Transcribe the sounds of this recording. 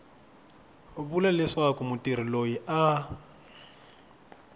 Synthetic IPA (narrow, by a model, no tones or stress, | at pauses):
βulalɪʂakʼʊmʊtʼiɾ̤ilojiʔa